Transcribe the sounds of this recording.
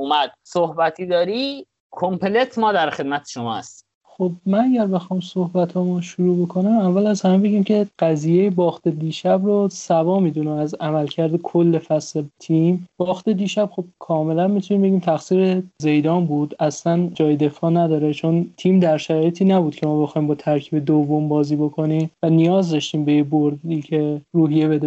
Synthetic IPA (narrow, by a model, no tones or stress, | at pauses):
umæd̪̥̚sohbæt̪ʰiːd̪ɒːɾi | kʰompʰelet̪ʰmɒːd̪æɾxe̞d̪̚mæt̪ʰe̥ʃomɒːhæ̰st̪i̥ | xobmænæɟæɾbe̞xɒːjmsohbæt̪ʰɒːmɒʃuɾuːbo̞kʰo̞næmævːælæzhæmebe̞ɟiːmcʰe̞ɢ̥æzijejebɒːxt̪ʰed̪iːʃæbrosæbɒːmiːd̪unæmæzæmælcʰæɾd̪ekʰolːefæslet̪ʰimb̥ɒːxt̪ed̪iːʃæb̥xob̥̚kʰɒːme̞lænmit̪ʰuniːmbe̞ɟiːmt̪ʰæxsiːɾeze̞jd̪ɒːmbuːd̪æslænd͡ʒɒːjed̪e̞fɒːnæd̪ɒːɾe̞t͡ʃʰo̞nt̪ʰiːmd̪æɾʃæɾɒːjet̪ʰiːnæbuːd̪̥̚cʰe̞mɒːbe̞xɒːiːmbɒːt̪ʰæɾcʰiːbe̞d̪ovːo̞mbɒːziːbo̞kʰo̞nimvænijɒːzd̪ɒʃt̪iːmbe̞jeboɾd̪iːcʰe̞ruːɦijebe̞d̪e